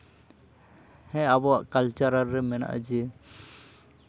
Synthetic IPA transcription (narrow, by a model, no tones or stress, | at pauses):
hɛ̃abɔwa̰ʔkalt͡ʃaɾaɾːɛmɛna̰ʔd͡ʒiɛ